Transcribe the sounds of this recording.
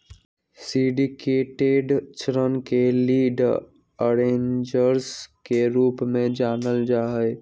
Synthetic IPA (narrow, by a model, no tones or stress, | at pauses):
siɖikeːʈeɖt͡ʃɾənkeliːɖ | əɾẽːɲd͡ʒəɾskeɾuːpmẽd͡ʒaːnəld͡ʒaːɦəɪ